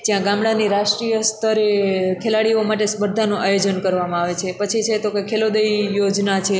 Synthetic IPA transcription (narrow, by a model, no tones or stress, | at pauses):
d͡ʒjãɡamɽaniɾaʃʈɾijəst̪ʰəɾekʰelaɽiomaʈesbəɾd̪ʱanũʔajod͡ʒənkəɾʋamãaʋet͡ʃʰepət͡ʃʰit͡ʃʰet̪okekʰelod̪əijod͡ʒnat͡ʃʰe